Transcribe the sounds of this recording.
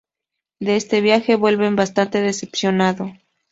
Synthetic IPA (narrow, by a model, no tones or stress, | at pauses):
d̪eest̪e̞βjaxe̞βwe̞lβe̞mbast̪ant̪e̞ðe̞se̞psjo̞naðo̞